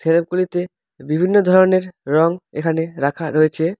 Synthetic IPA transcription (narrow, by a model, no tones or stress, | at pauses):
eleb̚kulit̪e | bibʱinːod̪ʱɔɾoneɾːɔŋekʰaneɾakʰaɾojet͡ɕʰe